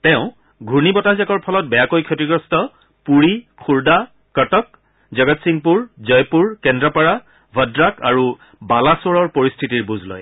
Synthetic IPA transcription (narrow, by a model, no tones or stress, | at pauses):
tɛʊ̃ | ɡʱuɹnibɔtazakɔɹpʰɔlɔt̚bɛjakojkʰɔtiɡɹɔstɔ | puɹikʰuɹda | kɔtɔk̚ | zɔɡɔtsiŋpuɹzɔjpuɹkɛndɹapaɹa | bʱɔdɹakaɹu | balasoɹɔɹpoɹistʰitiɹbuzlɔ̰j